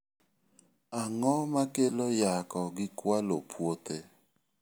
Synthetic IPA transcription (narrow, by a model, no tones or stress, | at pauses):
aŋɔmakelojakɔɡɪkwalopʰwote